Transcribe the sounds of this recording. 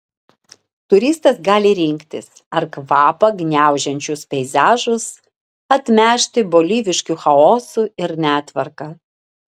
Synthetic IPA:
t̪ʊɾʲiːst̪ɐsɡɑːlʲɪɾʲɪŋʲkt̪ʲɪ̰s | ɐɾkʋɑːpɐɡnʲæˑʊʒʲɛnʲt͡ʃʲʊspʲɛɪzʲæːʒʊs | ɐt̪ʲmʲæːʃʲt̪ʲɪboːlʲiːʋʲɪʃʲkʲuxɐoːsuɪɾnʲæːt̪ʲʋɐɾkɑ

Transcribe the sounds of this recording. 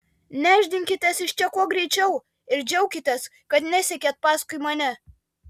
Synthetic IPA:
nʲæːʒʲd̪ʲɪŋʲkʲɪt̪ʲɛsɪʃt͡ʃʲɛkuɔɡɾʲɛɪt͡ʃʲɛʊ | ɪɾd͡ʒʲɛʊkʲɪt̪ʲɛs | kɐt̪nʲæsʲɛkʲɛːt̪̚pɑːskʊɪmɐnʲɛ

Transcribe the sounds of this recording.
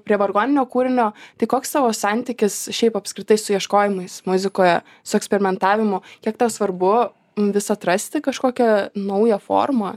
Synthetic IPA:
pʲɾʲiɛʋɐrɡoːnʲɪnʲoːkuːɾʲɪnʲoːt̪ɐɪkoːkst̪ɑːʋoːsɑnʲt̪ʲɪkʲɪsʃʲɛɪpɐpʲskɾʲɪt̪ɐɪsʊjiɛʃkoːjɪmɐɪsmʊzʲɪkoːjɛ | sʊɛksʲpʲɛɾʲɪmʲɛnt̪ɑːʋʲɪmʊkʲiɛk̚t̪ɑʊsʋɐrbʊ | ʋʲɪsɐt̪ɾɐsʲt̪ʲɪkɐʃkoːkʲɛnɐʊjɛfo̰ːrmɐ

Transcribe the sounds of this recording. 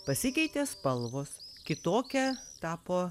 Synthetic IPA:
pɐsʲɪkʲɛɪt̪ʲeːspɐlˠʋoːskʲɪt̪oːkʲɛt̪ɑːpoː

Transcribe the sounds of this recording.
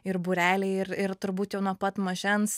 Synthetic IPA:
ɪɾbʊɾʲæːlʲɛɪɪɾɪɾt̪ʊɾbuːt̪jɛʊnuɔpɐt̪mɐʒʲɛns

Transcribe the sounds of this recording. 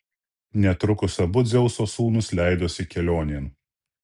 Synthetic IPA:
nʲɛt̪ɾʊkʊsɐbʊd̪zʲɛʊsoːsuːnʊslʲæˑɪd̪oːsʲɪkʲɛlʲoːnʲeːn

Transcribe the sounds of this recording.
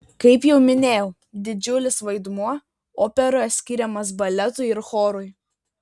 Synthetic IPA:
kɐɪpjɛʊmʲɪnʲeːjɛʊ | d̪ʲɪd͡ʒʲʊlʲɪsʋɐɪd̪muɔ | oːpʲɛɾoːjɛsʲkʲiːɾʲɛmɐs̬bɐlʲɛt̪ʊɪɪɾxoːɾʊj

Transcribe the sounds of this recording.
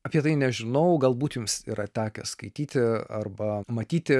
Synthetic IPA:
ɐpʲiɛt̪ɐɪnʲɛʒʲɪnɐʊɡɐlˠbuːt̪jʊmsḭɾɐt̪ʲæːkʲɛskɐɪt̪ʲiːt̪ʲɪɐrbɐmɐt̪ʲiːt̪ʲɪ

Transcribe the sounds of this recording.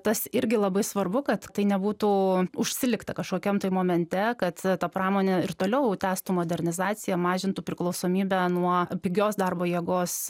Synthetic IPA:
t̪ɐsɪɾʲɡʲɪlˠɐbɐɪsʋɐrbʊkɐt̪t̪ɐɪnʲɛbuːt̪uːʊʃʲsʲɪlʲɪkt̪ɐkɐʃkoːkʲɛmt̪oɪmoːmʲɛnʲt̪ʲɛkɐt̪t̪ɐpɾɑːmoːnʲɛɪrt̪oːlʲɛʊt̪ʲæːst̪umoːd̪ʲɛɾʲnʲɪzɑːt͡s̪ʲɪjɛmɑːʒʲɪnt̪upʲɾʲɪklˠɒʊsoːmʲiːbʲænuɔpʲɪɡʲoːsd̪ɐrboːjiɛɡoːs

